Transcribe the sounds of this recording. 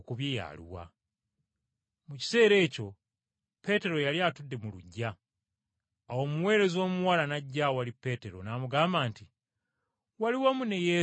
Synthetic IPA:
kuβjija̰lḭwa̰ | muci̥se̞ːɾe̞ːco̞ | pe̞te̞ɾo̞jaliaːtudːe̞muluɟːa | wo̞ːmuwe̞ːɾe̞zo̞ːmuwalanaɟːawalipːe̞ːte̞ɾo̞̰naːmuɡaːmbaːnti | waliwamune̞je̞

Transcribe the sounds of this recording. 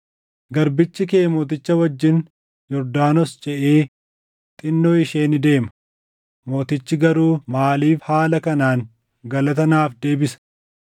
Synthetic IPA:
ɡɐɾbɪt͡ʃːɪkeːmoːt̪̬ɪt͡ʃːɐwɐd͡ʒːɪn | jɔɾd̪aːnɔst͡ʃʼɛʔeː | t̪ʼɪnːoːɪʃeːnɪd̪e̞ːmɐ̥ | mo̞ːt̪ɪt͡ʃːɪɡɐɾuːmaːliːfhaːlɐkɐnaːŋ | ɡɐlɐt̪ɐnaːfd̪e̞ːbɪsɐ̥

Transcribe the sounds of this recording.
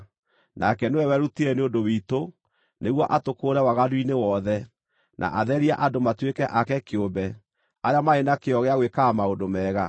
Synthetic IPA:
nʔakɛnewɛwɛɾutiɛneondowiːto | neɣwɔʔatokoːɾɛwaɣadwinewɔðɛ | nʔa̰ʔaðɛɾia̰ʔadomatwekɛʔakɛkeombɛ | aɾeamaenakeɔɣeaɣwekamaodomɛːɣa

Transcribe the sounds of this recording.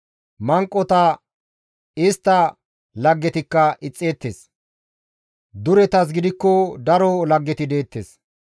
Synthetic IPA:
mɐŋkʼːɔt̪ɐ | ɪst̪ːɐ | lɐɡːɛt̪ɪkːɐʔɪt͡sʼːe̞ːt̪ːeːs | d̪ʊɾɛt̪ɐs̬ɡɪd̪ɪkːɔd̪ɐɾɔlɐɡːɛt̪ɪd̪e̞ːt̪ːes

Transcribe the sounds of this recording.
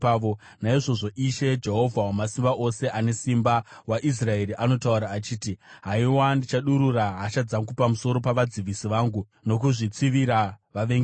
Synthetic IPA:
ʋo | naiʐo̞ʐo̞ʔiʃe̞d͡ʒe̞ɦo̞vʱawamasimbaʔo̞se̞ʔane̞simbawaʔis̬rae̞ɾiʔano̞tauɾaːt͡ʃiːtiɦaiwandit͡ʃaɗuɾuraɦaʃad͡zaŋɡupamuso̞ɾo̞paʋad͡ziʋisiʋaːŋɡu | no̞k̬uʐit͡siʋiɾaʋaʋeŋɡ

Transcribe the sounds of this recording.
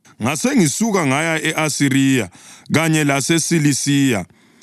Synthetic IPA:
ŋaseŋisuɣaŋajaʔɛʔasiɾiːja̰ɣaɲɛlasesilisiːja

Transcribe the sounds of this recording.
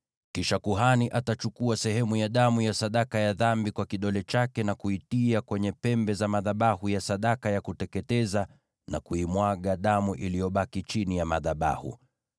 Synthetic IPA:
kiʃakuɦaniʔatat͡ʃukuasɛhɛmujaɗamujasaɗakajaðambikwakiɗɔlɛt͡ʃakɛnakuitiakwɛɲɛpɛmbɛzamaðaɓahujasaɗakajakutɛkɛtɛza | na̰kuimwaɠaɗamuʔilijɔɓakit͡ʃinijamaðaɓa̰hṵ

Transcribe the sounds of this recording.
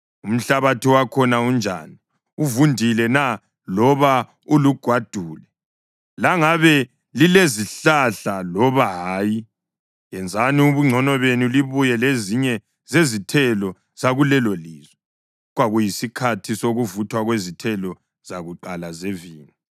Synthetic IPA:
um̩ɬaβatʰiwakʰɔnaund͡ʒʱaːni | uvundʱilɛna | lɔβa | uluɡ̥ʱwad̥ʱuːlɛ | laŋaβɛ | lileziɬaɬalɔβaɦaːji | jɛnd͡zʱaniuβuŋ͡ǀʱɔnɔβenuliβujɛleziɲɛ | zezitʰɛlɔ | z̥aɣulɛloliːzwɛ | ɣwaɣujisikʰatʰisoɣuvutʰwaɣwezitʰɛlɔ | z̥aɣuǃalazeviːni

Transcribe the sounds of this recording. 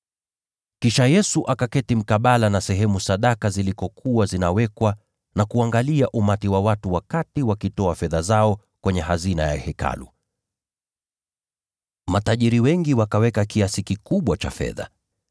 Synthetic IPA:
kiʃajɛsuʔakakɛtim̩kaɓalanasɛɦɛmusaɗakazilikɔkʰuwazinawɛkwa | nakuaŋɡaliaʔumatiwawatuwakatiwakitɔafɛðazaɔ | kwɛɲɛɦazina̰ja̰hɛka̰lṵ | mataʄiɾiwɛŋɡiwakawɛkakiasikikuɓwat͡ʃa̰fɛ̰ða̰

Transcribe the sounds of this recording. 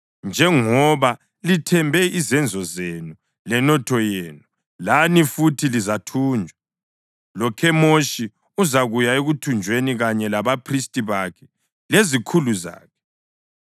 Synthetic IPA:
nd͡ʒʱɛŋɔβa | litʰɛmbʱɛizɛnd͡zʱɔzenu | lɛnɔtʰɔjeːnu | lanifutʰilizatʰuːnd͡ʒʱwa | lɔkʰɛmoʃi | uzaɣujaeɣutʰund͡ʒʱweniɣaɲɛlaβapʰristʼiβakʰɛ̥ | lezikʰuluza̰ːkʰɛ̥

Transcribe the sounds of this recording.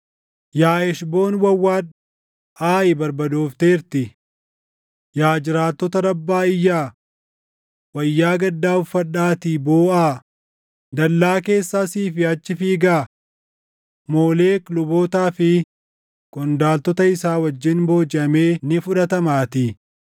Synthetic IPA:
jaːɛʃbo̞ːnwɐwːaːᶑ | ʔaːʔɪbɐɾbɐd̪oːft̪e̞ːɾt̪ɪ | jaːd͡ʒɪɾaːt̪ːɔt̪ɐɾɐbːaːɪjːaː | wɐjːaːɡɐd̪ːaːʊfːɐᶑaːt̪ɪboːaː | d̪ɐlːaːke̞ːsːaːsiːfɪɐt͡ʃːɪfiːɡaː | moːleːklʊboːt̪aːfɪ | kʼɔnd̪aːlt̪ɔt̪ɐɪsaːwɐd͡ʒːɪnbo̞ːd͡ʒɪʔɐme̞ːnɪfʊᶑɐt̪ɐmaːt̪ɪ

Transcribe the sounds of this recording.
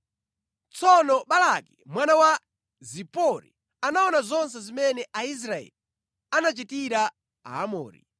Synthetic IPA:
t͡sʰɔnɔɓalakimwanawa | zipɔɾḭ | anaɔnazɔns̬ɛzimɛnɛʔais̬ɾaɛ̰li | anat͡ʃitiɾa | a̰amɔ̰ːɾḭ

